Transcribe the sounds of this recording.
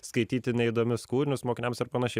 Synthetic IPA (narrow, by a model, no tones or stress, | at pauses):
skɐɪt̪ʲiːt̪ʲɪnʲɛɪd̪oːmʲʊskuːɾʲɪnʲʊsmoːkʲɪnʲɛmsɐɾpɐnɐʃʲɛ